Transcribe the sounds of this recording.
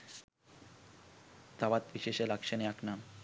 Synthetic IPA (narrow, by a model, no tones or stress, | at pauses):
t̪aβat̪biʃeʃelakʃeneaknam